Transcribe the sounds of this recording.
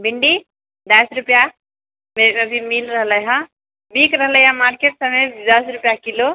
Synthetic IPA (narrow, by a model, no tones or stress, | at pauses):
biɳɖi | d̪əsɾupja | meəbʱimilɾəɦləjɦə̃ | bikɾəɦləjãmaɾkeʈsəmed̪əsɾupjakilo